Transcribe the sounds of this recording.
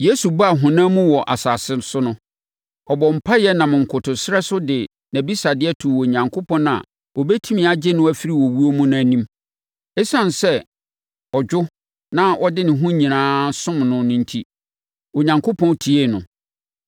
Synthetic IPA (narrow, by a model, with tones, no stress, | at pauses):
je˦su˨ba˦a˨ɦʊ̃˨nãː˦mũ˦wɔ˨ʔa˨saː˨sɪ˦msʊ˦nʊ̃˦ | ɔ˨bɔ˨m̩˨pʰa˦jɛ˦nã˨mɪ̃˨ŋ̩˨kʰʊ˨tʊ˨sɪ˦ɾɛ˦sʊ˦dɪ˨ | næ̃˨bi˦sa˨dɪ˦ɛ˦tʰu˨wo˨ɲã˨ŋkʰo˦pʰɔ̃˦n˦ã̰˨ | ɔ˨bɛ˦tʰi˦mĩ˨˦˨a˨d͡ʑɪ˦nʊ̃˦æ˨fi˦ɾi˦˨wɔ˨wu˦o˦mũ˦nʊ̃˦æ˨nĩ˦m | ɛ˦sã˦nsɛ˦ | ɔ˨d͡ʑᶣʊ˦ | nã˦ʔɔ˦dɪ˦nɪ̃˨ɦʊ̃˦ɲĩ˨nãː˦sʊ̃˦mnʊ̃˦nʊ̃˦n̩˦tʰi˦ | o˨ɲã˨ŋkʰo˦pʰɔ̃˦ntʰi˨e˦˨nʊ̰̃˨